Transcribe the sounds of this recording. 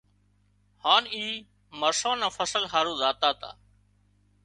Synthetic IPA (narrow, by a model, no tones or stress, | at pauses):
haːniː | məɾsãːnãːfəsəlɦaːɾũːzaːt̪aːt̪a̰ː